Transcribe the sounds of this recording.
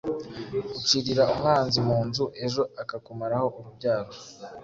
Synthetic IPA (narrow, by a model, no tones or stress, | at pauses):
ut͡ʃiɾiɾaumŋaːnzimuːnzuʔe̞ʒo̞akakumaɾaho̞ʔuɾubɟaːɾo